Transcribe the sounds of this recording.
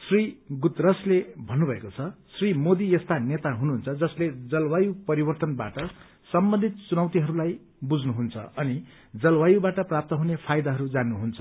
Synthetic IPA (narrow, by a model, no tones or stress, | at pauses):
sriɡut̪rʌslebʱʌnːubʱʌekot͡sʰʌsrimod̪iest̪anet̪aɦunuɦunt͡sʰʌd͡zʌsled͡zʌlwajupʌɾibʌrt̪ʌnba̰ʈʌ | sʌmbʌnd̪ʱit̪̚t͡sunʌwt̪iɦʌɾulaj | bud͡znuɦunt͡sʰʌ̰ʌni | d͡zʌlwajubaʈʌprap̚t̪ʌɦunepʰajd̪aɦʌɾud͡zanːuɦunt͡sʰʌ̥